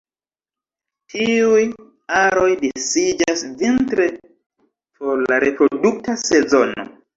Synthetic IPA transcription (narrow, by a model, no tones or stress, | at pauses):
tʰiuj | aɾo̞jdesid͡ʒasvintɾe̞ | po̞ɾlaɾe̞pɾo̞duk̚tase̞zo̞no̞̰